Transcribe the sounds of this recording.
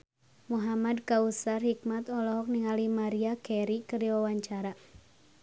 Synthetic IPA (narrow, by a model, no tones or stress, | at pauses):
muɦamadkausarhik̚mat̪ɔlɔɦɔk̚niŋalimaɾiakɛɾikɨɾiwawaɲt͡ʃaɾa